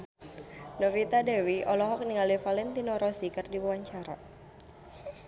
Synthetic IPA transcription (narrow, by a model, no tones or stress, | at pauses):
nɔfit̪adɛwiɔlɔɦɔk̚niŋalifalɛnt̪inɔɾɔsikɨrdiwuwaɲt͡ʃaɾa